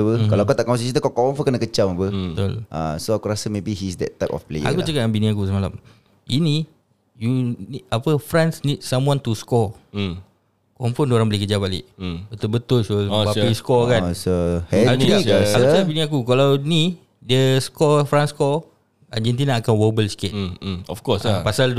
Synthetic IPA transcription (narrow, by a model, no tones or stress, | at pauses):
pəkalaakat̪aʔkawas̬at͡ʃit̪əkakɔwɔ̃nfɔkənakət͡ʃamapəbbət̪ʊ̰lʔa̰soakuɾasəmebiɦisdɛ̰t̚ːajpɔ̰fplḛjəa̰kut͡ʃəkaʔ̚kanbinĩakusəmala̰m | ini | juniapəfɾansnid̚samwãnt̪uskɔ | kɔmfɔndoɾãŋbəlehk̬əd͡ʒabalḛʔbət̪ʊlbət̪ʊlʃobaiskɔkansohɛisakut͡ʃakabinĩakukalawni | dəskɔfɾanskɔ | ad͡ʒɛnt̪̬inaːkanwəbəlskɛt̚ɔfkɔsapasald